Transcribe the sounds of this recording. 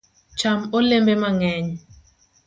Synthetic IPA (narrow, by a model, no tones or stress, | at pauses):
t͡ʃamolembemaŋɛɲ